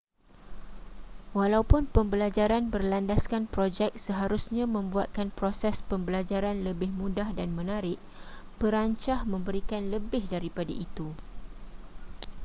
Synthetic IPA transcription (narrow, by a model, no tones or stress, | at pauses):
walaupʊnpəmbəlad͡ʒaɾanbərlandaskanpɾod͡ʒɛk̚səɦaɾusɲãmə̃mbuat̪̚kanpɾosɛspəmbəlad͡ʒaɾanləbɪhmũdahdanmə̃naɾɪʔ̚ | pəɾaɲt͡ʃahmə̃mbəɾikanləbɪhdaɾipada̰ʔit̪u